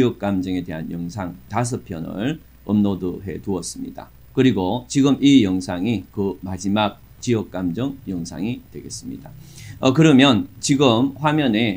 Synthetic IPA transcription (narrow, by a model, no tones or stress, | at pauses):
jʌk̚k͈amd͡ʑʌŋe̞de̞ɦanjʌŋsʰaŋtas̬ʰɯpʰjʌnɯ̰ɭ | ɯmnodɯɦe̞̰tuʌs͈ɯmɲḭd̥a̰ | kɯɾiɡot͡ɕiɡɯmijʌŋsʰaŋikɯmad͡ʑimak̚ | t͡ɕijʌk̚k͈amd͡ʑʌŋjʌŋsʰa̰ŋitwe̞̰ɡe̞s͈ɯmɲḭd̥aʌkɯɾʌmjʌnt͡ɕiɡɯmɸwamjʌne̞